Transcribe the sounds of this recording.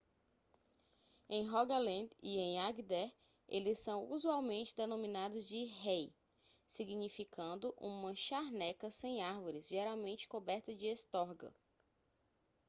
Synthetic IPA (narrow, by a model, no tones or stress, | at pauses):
ẽj̃ɦɔɡalẽd̪iẽj̃aɡd̪ɛɾ | elɪsɐ̃w̃uzuawmẽnt͡ʃɪd̪enõminad̪ʊzd͡ʒɪɦej | siɡiɲifikɐ̃nd̪ʊʔũmɐʃaɾnɛkɐsẽj̃aɾvoɾɪzʒeɾawmẽnt͡ʃɪ̥kobɛɾt̪ɐd͡ʒɪest̪ɔɾɡɐ̰